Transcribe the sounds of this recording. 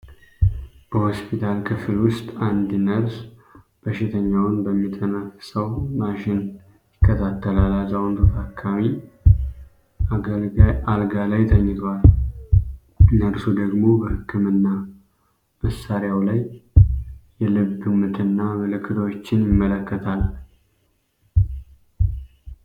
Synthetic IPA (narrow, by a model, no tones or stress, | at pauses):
b̥əho̞spʰit̪ʰalkʰɨfɨlwʊst̪ʼand̪nəɾs | b̥əʃɪt̪ʰəɲːawnbəmːit̪ʰʼːənaksəwmaʃɪn | jjɪkːət̪ʰat̪ːəlalazawnt̪ʰot̪ʰakʰːami | a | alɡalajt̪ʰəɲːɨɡ̪wal | nːəɾsud̪əɡmo̞bəhɨkːɨmɨnːa | məsːaɾjawlajː | ɛlɨβɨmɨt̪ʰɨnːamɨlɨkʰːɨd̪əwot͡ʃːɪnjɪmːələkːət̪ʰal